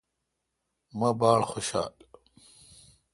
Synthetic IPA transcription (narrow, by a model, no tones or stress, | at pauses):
mɐbaːɽxoɕa̰ːl